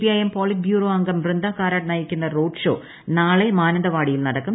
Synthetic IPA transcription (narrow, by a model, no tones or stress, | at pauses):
piɐjɐmpoːlit̚bʱjuːroːɐŋɡɐmʋrɨnd̪aːkaːɾaːʈ̚nɐjikʲːunːɐroːɖʂo̞̰ː | naːɭemaːnɐnd̪ɐʋaːɽijilnɐɽɐkːum